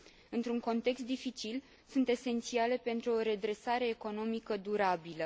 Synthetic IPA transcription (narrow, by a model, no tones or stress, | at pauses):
ɨnt̪ɾuŋko̞nt̪e̞kst̪d̪ifit͡ʃil | sunt̪e̞se̞nt̪siale̞pe̞nt̪ɾuo̞ɾe̞d̪ɾe̞saɾe̞ːko̞no̞mikəd̪uɾabilə